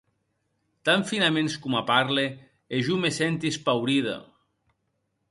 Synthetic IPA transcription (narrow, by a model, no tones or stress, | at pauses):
t̪aɱfinamenskumapaɾleː | ʒumesɛnt̪ispawɾiða̰